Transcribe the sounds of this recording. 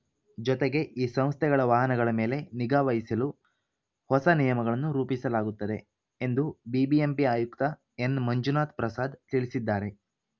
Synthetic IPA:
d͡ʒɔt̪eɡe̞ʔiːsɐ̃m̃st̪ʰɛɡɐɭɐʋaːɦɐnɐɡɐɭɐme̞ːle̞niɡaːʋɐjisɐlu | hɔsɐnijɐmɐɡɐɭɐnːuɾuːpisɐlaːɡut̪ːɐd̪e̞ | end̪ubibiempiaːjukt̪ɐ | e̞nmɐɲd͡ʒunaːt̪̚pɾɐsaːd̪t̪iɭisid̪ːaːɾe̞

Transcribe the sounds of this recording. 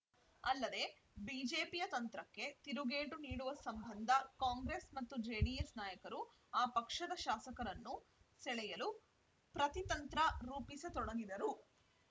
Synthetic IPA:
ɐlːɐd̪e̞ | biːd͡ʒe̞ːpijɐt̪ɐnt̪ɾɐkːe̞t̪iɾuɡe̞ːʈuniːɽuʋɐsɐmbʱɐnd̪ʱɐkaːŋɡɾesmɐt̪ːud͡ʒeːɖijesnaːjɐkɐɾu | aːpɐkʂɐd̪ɐʃaːsɐkɐɾɐnːu | sɛɭɛjɐlu | pɾɐt̪it̪ɐnt̪ɾɐɾuːpiset̪ɔɽɐɡid̪ɐɾu

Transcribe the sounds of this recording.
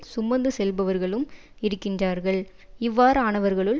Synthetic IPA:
sʊmːɐnd̪ɯsɛlbɐʋɐɾɣɐɭɯm | ɪɾɯkːɪndraːɾɣɐɭ | ɪʋːaːɾɯaːɳɐʋɐɾɣɐɭɯɭ

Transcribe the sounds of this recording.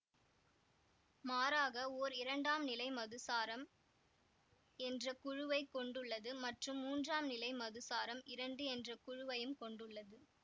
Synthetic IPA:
maːɾaːɣɐoːɾɪɾɐɳɖaːmnɪlɐɪmɐðɯsaːɾɐm | ɛndrɐkʊɻʊʋɐɪkːɔɳɖɯɭːɐðɯmɐʈrɯmːuːndraːmnɪlɐɪmɐðɯsaːɾɐmɪɾɐɳɖɯɛndrɐkʊɻʊʋɐjɯmkɔɳɖɯɭːɐðɯ

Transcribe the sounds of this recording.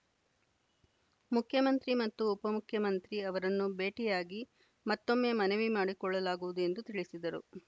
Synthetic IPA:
mukʰjɐmɐnt̪ɾimɐt̪ːuːpɐmukʰjɐmɐnt̪ɾiɐʋɐɾɐnːube̞ːʈijaːɡi | mɐt̪ːo̞mːe̞ːmɐneʋimaːɽikɔɭːɐlaːɡuʋud̪ue̞nd̪ut̪iɭisid̪ɐɾṵ

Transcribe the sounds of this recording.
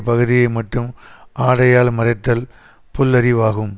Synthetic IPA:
pɐɣɯðɪjɐɪmɐʈːɯmaːɽɐjaːlmɐɾɐɪt̪ːɐl | pɔlːɐɾɪʋaːɣɯm

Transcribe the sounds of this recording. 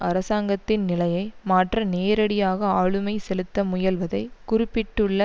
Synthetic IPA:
ɐɾɐsaːŋɡɐt̪ːɪnnɪlɐjɐɪmaːʈrɐneːɾɐɽɪjaːɣɐaːɭɯmɐɪsɛlɯt̪ːɐmʊjɐlʋɐðɐɪkʊrɪpːɪʈːɯɭːɐ

